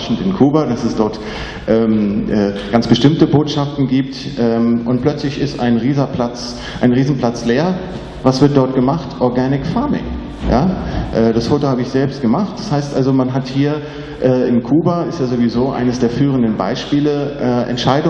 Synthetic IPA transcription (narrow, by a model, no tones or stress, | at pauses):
ʃn̩tɪnkʰuːbadasɛsd̥ɔɐt | ʔɛːmʔɛːɡ̥ansb̥əʃtɪmtəboːtʃaftn̩ɡiːp̚tʔɛːmʔʊnt̚pl̥œt͡slɪçɪsta̰ɪnʁiːzɐpʰl̥at͡s | ʔaɪnʁiːzn̩pl̥at͡sleːɐ | vasv̥ɪɐt̚d̥ɔɐt̚ɡ̥əmaχtʔɔɐɡaːnɪkfaɐmɪ̰ŋ | ja̰ːʔɛːd̥asfoːtohaːbəɪçz̥ɛlpstɡ̥əmaχt̚d̥ashaɪstʔalzomanɦathiːɐ | ʔɛːɪnkʰuːbaɪstjaːzovizoːʔa̰ɪnəsd̥eːɐfyːʁəndənba̰ɪʃpiːləʔɛːʔɛ̰ntʃaɪdʊ